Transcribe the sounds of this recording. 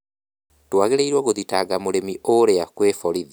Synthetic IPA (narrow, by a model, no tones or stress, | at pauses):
twaɣeɾeiɾwɔɣoðitaɡamoɾemiʔoɾeakweːfɔɾiði